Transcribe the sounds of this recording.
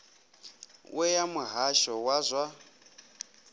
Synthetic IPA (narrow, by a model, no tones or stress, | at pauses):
wʔɛjamuɦaʃɔwazʷa